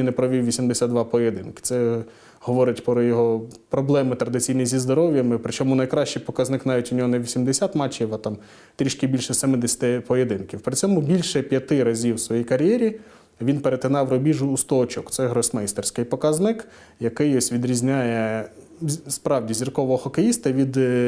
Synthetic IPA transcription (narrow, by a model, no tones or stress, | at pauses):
inɛpɾɔʋʲiwʋʲisʲimd̪esʲad̪d̪ʋɑpɔjed̪ɪnkɪ̥t̪sɛ | hɔʋɔɾɪtʲpɾɔjɔɦɔpɾɔblˠɛmɪt̪ɾɐd̪ɪt͡sʲijnijzʲizd̪ɔɾɔʋʲjɐmɪpɾɪt͡ʃɔmʊnɐjkɾɑʃt͡ʃɪjpɔkɐznɪknɑʋʲitʲɔnʲɔɦɔnɛʋʲisʲimd̪esʲat̪mɑt͡ʃːiwɐt̪ɑm | t̪ɾʲiʃkʲibʲilʲʃɛsɛmɪd̪esʲɐ̥t̪ɪpɔjed̪ɪnkʲiwpɾɪt͡sʲɔmʊbʲilʲʃɛpʲjɐt̪ɪɾɐzʲiwsʋɔjijkɐɾʲjɛɾʲi | ʋʲinpeɾet̪ɪnɑwrɔbʲiʒʊːst̪ɔːt͡ʃɔkt̪sɛɦɾɔsʲmɛjst̪ersʲkɪjpɔkɐznɪk | jɐkɪjɔsʲʋʲid̪ɾʲizʲnʲajɛ | spɾɑwdʲizʲirkɔʋɔɦɔxɔkejist̪ɐʋʲid̪